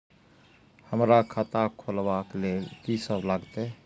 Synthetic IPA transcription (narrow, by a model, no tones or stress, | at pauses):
həmɾakʰat̪akʰolʋaklelkisəblaɡt̪e